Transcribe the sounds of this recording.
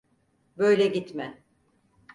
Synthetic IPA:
bøjlʲɛɟit̪mɛ

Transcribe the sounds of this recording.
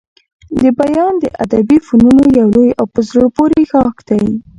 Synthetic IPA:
d̪əbajɑnd̪ə̰ʔa̰d̪abifonunojawlojawpəzɾoɽpoɾeɣɑkd̪̥aj

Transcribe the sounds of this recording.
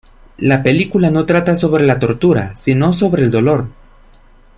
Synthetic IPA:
lape̞likulano̞t̪ɾat̪aso̞βɾe̞lat̪o̞ɾt̪uɾa̰sino̞s̬o̞βɾe̞ːld̪o̞lo̞ɾ

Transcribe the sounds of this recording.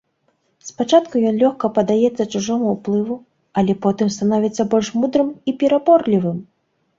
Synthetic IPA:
spat͡ʂat̪kujɔnlʲɔxkɐpɐd̪ajɛt̪sːɐt͡ʂuʐɔmuwplˠɨvu | ɐlʲɛpɔt̪ɨmst̪anɔvʲit̪sːɐbɔlʲʂmud̪ɾɨmipʲɛɾabɔrlʲivɨm

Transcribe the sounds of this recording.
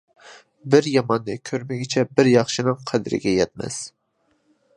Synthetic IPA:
bɪɾjɑmɑnːɨkʲʰøɾmɪɡʲɪt͡ʃʰɛbɪɾjɑχʃɪnɨŋqʰæd̪ɪɾɪ̰ɡʲɛjɛt̪̚mɛ̰s

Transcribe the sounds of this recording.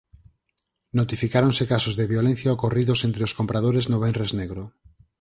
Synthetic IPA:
not̪ifikaɾõŋsekasozðeβjolẽn̟θjaokoriðosẽnt̪ɾeoskompɾað̞oɾeznoβenrezneɣɾo

